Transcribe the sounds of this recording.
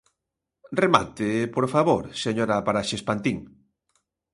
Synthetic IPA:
rema̰t̪ɪpoɾfaβoɾseɲoɾapaɾaʃespant̪iŋ

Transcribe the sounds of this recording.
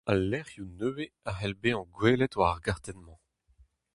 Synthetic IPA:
alːɛʁjunøːweaɦɛlbeɑ̃ɡweːlɛt̪waʁɡaʁt̪ɛnmɑ̃

